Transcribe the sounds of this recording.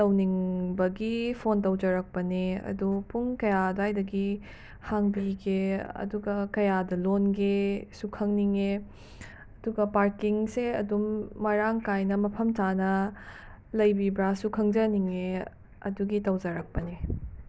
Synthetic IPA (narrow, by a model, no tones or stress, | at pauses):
tɐwniŋbɐɡipʰontɐwd͡ʒɐɾɐk̚pɐneɐ̰dupuŋkɐjadoajdɐɡi | haŋbiɡeɐ̰duɡɐkɐjadɐlonɡesukʰɐŋniŋe | ɐduɡɐpaɾkiŋseɐdumːɐɾaŋkajnɐmɐpʰɐmtanɐ | lɐjbibɾasukʰɐŋd͡ʒɐniŋe | ɐ̰duɡitɐwd͡ʒɐɾɐk̚pɐne